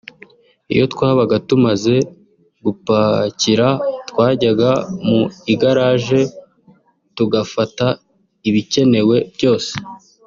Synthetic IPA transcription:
ḭjo̞tkwaːβaɡatumaze̞ | ɡupaciɾatkwaːɟaɡamuiɡaɾaːʒe̞ | tuɡafata | iβice̞ne̞we̞bjo̞ːse̥

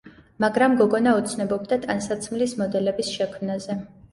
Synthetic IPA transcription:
maɡɾamɡɔɡɔnaut̪sʰnɔbɔbd̪at̪ʼansat̪sʰmlismɔd̪ɛlɛbisʃɛkʰmnazɛ

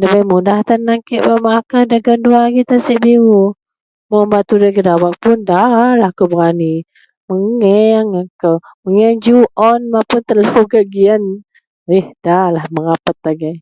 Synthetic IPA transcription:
dəbajmudaht̪anːaŋkiʔbaʔmaakadaɡənduaaɡit̪asiʔbiu | mɔmbat̪udakədawaʔ̚pʊndalahkobəɣani | məŋɛŋakəw | məŋɛd͡ʒuʔɔnmapʊnt̪əlaɡaɡian | ehd̥alahməŋapət̪̚laɡaj

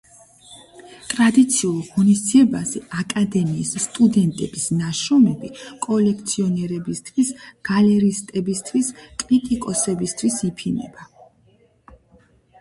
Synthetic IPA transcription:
t̪ʼɾad̪it̪sʰiulˠʁɔnisd̪ziɛbazɛakʼad̪ɛmiːsːt̪ʼud̪ɛnt̪ʼɛb̥isnaʃɔmɛbikʼɔlɛkʰt̪sʰiɔnɛɾɛbist̪ʰwisɡ̥alɛɾist̪ʼɛbist̪ʰwiskʼlit̪ʼikʼɔsɛbist̪ʰwisipʰinɛ̰ba

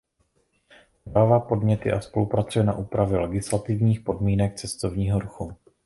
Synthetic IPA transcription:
ɾaːvapo̞dmɲɛt̪ɪ̰ʔaspo̞lupɾat͡sujɛna̰ʔuːpɾavjɛlɛɡɪslat̪ɪvɲiːxpo̞dmiːnɛk̚t͡sɛst̪o̞vɲiːɦo̞ɾuxu

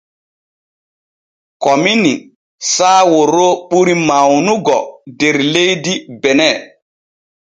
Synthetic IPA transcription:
kɔmini | saːwoɾoɓuɾimawnuɡɔdeɾlejdibɛnɛ

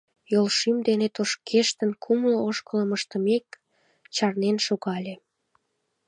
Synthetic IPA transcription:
jolʃimd̪enet̪oʃkʰeʃt̪ənkʰumlooʃkələməʃt̪əmek | t͡ɕɑrnenʃoɣɑlʲe

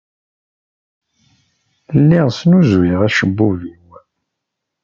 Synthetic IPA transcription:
lːiʁsnuzwiʁæʃəbːuviw

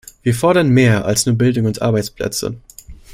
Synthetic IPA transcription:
v̥iːɐfɔɐɾɐnmeːɐʔa̰lsnuːɐbɪldʊŋʊntʔa̰ɐbaɪt͡spʰl̥ɛ̰t͡sə̰

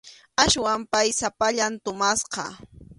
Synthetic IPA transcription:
aʃwampajsapaʎant̪ʊmasqɑ̰

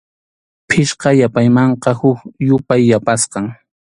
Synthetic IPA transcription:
pʰɪʃqɑjapajmɑɴqɑhʊkjʊpajːapasqɑŋ

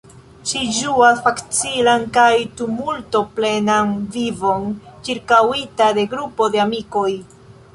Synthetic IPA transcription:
ʃiʒuasfakt͡silankajtumulto̞ple̞nanvivo̞nt͡ʃiɾkawitade̞ɡɾupo̞deamiko̞j

